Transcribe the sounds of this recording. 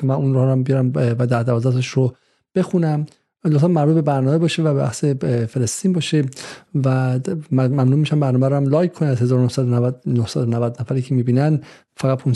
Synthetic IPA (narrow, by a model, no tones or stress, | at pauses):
emænunɾɒhɾæmbejɒɾæmvæd̪æɾd̪ævɒːzæt̪ʰeʃɾo | b̥e̞xunæm | lot̪zæmmːæɾbuːt̪̚be̞bæɾnɒːmebɒːʃevæbebæ̰hsefe̞lest̪iːnbɒːʃevæ | mæmnuːmiːʃæmbæɾnɒːmæɾhæmlɒːjkʰːoniæzhezɒːɾonohsæd̪onohsæd̪onævæd̪næfæɾiːcʰemiːbiːnæn | fæɣæt̪̚pʰun